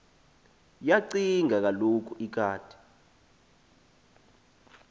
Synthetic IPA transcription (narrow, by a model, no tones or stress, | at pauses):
jaǀiŋak̬alok̬ʰʼuik̬ʰaːd̥ʰʱi̥